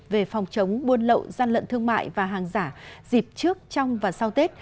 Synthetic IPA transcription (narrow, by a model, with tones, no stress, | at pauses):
ve˨˩fɔ˨˩wŋ͡mt͡ɕə˨˦wŋ͡mɓu˧ənlə̰˧˨wzaː˧nlə̰˧˨nt̪ʰɨ˧əŋma̰ː˧˨jvaː˨˩ɦaː˨˩ŋzaː˧˩zi˨˩p̚t͡ɕɨ˦˥ək̚t͡ɕɔ˧wŋ͡mvaː˨˩sa˧wt̪e˦˥t̚